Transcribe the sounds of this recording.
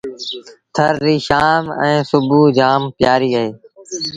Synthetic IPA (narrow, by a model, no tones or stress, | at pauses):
t̪ʰəɾːiːʃaːmɛ̃ːsʊbuːd͡ʒaːmpjaːɾiːəɦeː